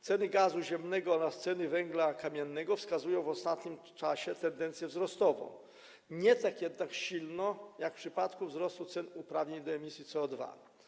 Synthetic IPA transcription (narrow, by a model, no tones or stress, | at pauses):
t̪sɛnɘɡazuʑɛmnɛɡɔɔɾast̪sɛnɘvɛŋɡlakamʲjɛnːɛɡɔfskazujɔ̃w̃vɔst̪at̪ɲim | t͡ʂaɕɛt̪ɛnd̪ɛnt̪sjɛvzɾɔst̪ɔvɔ̰̃w̃ | ɲɛt̪akjɛd̪nakɕilnɔjakfpʂɘpat̪kuvzɾɔst̪ut̪sɛnupɾavɲeɲd̪ɔɛmʲisʲjit̪sɛɔd̪va̰